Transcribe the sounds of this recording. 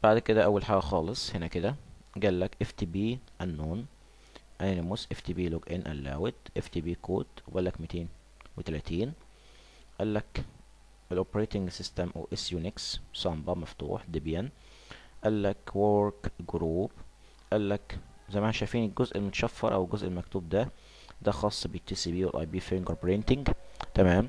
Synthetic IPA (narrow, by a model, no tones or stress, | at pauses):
b̥aʕd̪ked̪æʔæwːælħaːɡæxɑːlesˤhenæked̪æɡæːlːækʔeft̪iːbiːʔænːoːn | ʔæninemʊsʔeft̪iːbiːloɡʔenʔæ̰lːæ̰ːwet̪ʔeft̪iːbiːkoːt̪wbælːækmiːt̪eːn | wet̪ælæt̪iːn | ʔælːæk | ʔelʔopeɾeːt̪ɪŋɡsɪst̪æmʔo̰ːʔesjunikssɑmbɑmɑft̪ṵːħd̪ibjæn | ʔælːækwoɾkɡɾuːb | ʔælːækzæmænæʃæjfiːnelɡozʔelmot̪ɑ̥ʃæfːɑ̰ɾʔæ̰welɡozʔelmækt̪uːb̚d̪æ | d̪æxɑːsˤːɑbet̪ːisiːbiːwḛlʔɑ̰jbiːfinkoɾpoɾent̪ɪŋɡt̪æmæːm